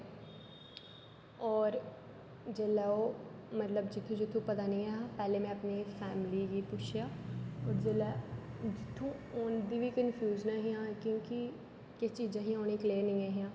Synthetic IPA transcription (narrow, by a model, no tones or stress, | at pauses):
ɔːɾ | d͡ʒɐlɛomɐt̪ləbd͡ʒɪt̪ʰːũd͡ʒɪt̪ʰːupɐt̪anɐĩaːɦapɛːlemɛ̃ɐpnefɛːmlikipʊʃjaɔːɾd͡ʒɐlɛd͡ʒɪt̪ʰːũ | oːnd̪ibʱikənfʰjuːznɐɦiãkjõːki | kɐt͡ʃiːd͡ʒãɦĩɦoːnikleːnɐ̃ĩaɦijãː